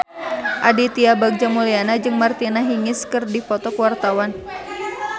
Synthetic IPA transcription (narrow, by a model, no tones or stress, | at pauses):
ʔadit̪iabaɡ̚d͡ʒamulianad͡ʒɨŋmart̪inaɦiŋɪskɨrdipɔt̪ɔkəwart̪awan